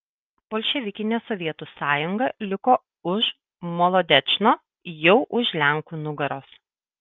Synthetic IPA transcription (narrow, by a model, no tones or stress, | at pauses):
boːlʲʃʲɛʋʲɪkʲɪnʲeːsɔʋʲiɛt̪uːsɑːjʊŋɡɐlʲɪkoː | ʊʃ | mɔlˠɔd̪ʲɛt͡ʃnoː | jɛʊʔʊʃlʲæŋˑkuːnʊɡɐɾoːs